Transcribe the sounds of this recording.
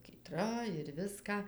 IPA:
kʲiːˈtrɐ ɪr ˈʋʲɪskɑː

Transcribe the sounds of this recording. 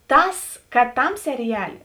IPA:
ˈtɐs kɐt ˈtɐm sʲɛrʲɪˈjæːlʲeː

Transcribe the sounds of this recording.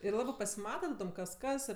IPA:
ɪr ˈlˠɑːbɜ pɐsʲɪˈmɑːtɐ tɐˈdoːm kɐs ˈkɐs

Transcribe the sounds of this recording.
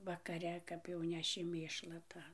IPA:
ʋɐkɐˈrʲɛ ˈkɐp jɛʊ ˈnʲæːʃʲɪ ˈmʲeːʃlˠɐ ˈtɑː

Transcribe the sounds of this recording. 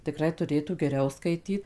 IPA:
tʲɪˈkrɐɪ tʊˈrʲeːtuː ɡʲɛˈrʲɛʊ skɐɪˈtʲiːt

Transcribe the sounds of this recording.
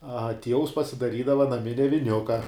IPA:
ɐ ˈtʲiɛʋʊs pɐsʲɪdɐˈrʲiːdɐʋɐ nɐˈmʲɪnʲɛ ʋʲɪˈnʲʊkɐ

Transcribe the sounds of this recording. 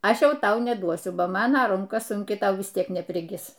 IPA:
ˈɐʃ ˈjɛʊ ˈtɐʊ nʲɛˈduɔsʲʊ ˈbɐ ˈmɑːnɐ ˈrʊŋkɐ sʊŋʲˈkʲɪ ˈtɐʊ ʋʲɪs ˈtʲiɛk nʲɛpʲrʲɪˈɡʲɪs

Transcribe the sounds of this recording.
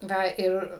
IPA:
ˈʋɐ ˈɪr

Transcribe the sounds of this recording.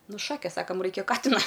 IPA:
ˈnʊ ˈʃɑːkʲeːs ˈsɑːkɐm ˈrɐɪkʲɛ ˈkɑːtʲɪnɐ

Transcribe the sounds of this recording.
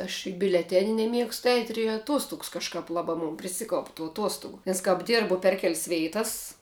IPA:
ɐʃ ɪ bʲʊlʲɛˈtʲæːnʲɪ nʲɛˈmʲiɛkstʊ ɛɪtʲ ɪr ɪ ɐˈtuɔstʊks kɐʃˈkɐp ˈlˠɑːbɑː mʊn pʲrʲɪˈsʲɪkɐʊp tuː ɐˈtuɔstʊɡʊ nʲɛs kɐp ˈdʲɪrbʊ pʲɛr kʲɛlʲsʲ ˈʋʲɛɪtɐs

